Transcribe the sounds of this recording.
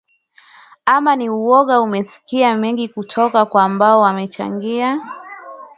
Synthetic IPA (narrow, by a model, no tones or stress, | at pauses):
amaniuɔɣaumɛsi̥kiamɛŋɡikutʰɔkakwaːmbaɔwamɛt͡ʃa̰ŋɡia